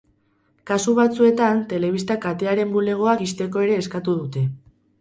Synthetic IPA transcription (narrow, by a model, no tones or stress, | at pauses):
kasuβ̞at͡sue̞t̪ant̪e̞le̞β̞ist̪akat̪e̞aɾe̞mbule̞ɣ̞o̞akist̪e̞ko̞e̞ɾe̞ːskat̪uðut̪e̞